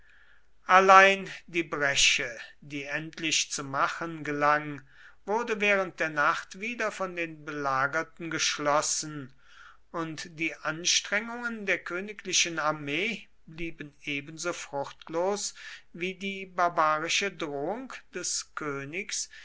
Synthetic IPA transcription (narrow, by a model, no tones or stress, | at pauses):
ʔalaɪndiːbʁɛʃədiːɛntʰlɪʃt͡sumaχənɡəlaŋ | v̥ʊɐdəvɛːʁ̞ə̃nt̚d̥eːɐnaχtv̥iːdɐfɔndeːnbəlaːɡɐtn̩ɡəʃlɔsn̩ | ʔʊntd̥iːʔanʃtʁ̥ɛŋʊŋəndeːɐkʰøːnɪkʰlɪʃənaɐmeː | bliːbəneːbənzoːfʁ̥ʊχtʰloːsviːdiːbaɐbaːʁɪʃədʁoːʊŋkd̥ɛskʰøːnɪks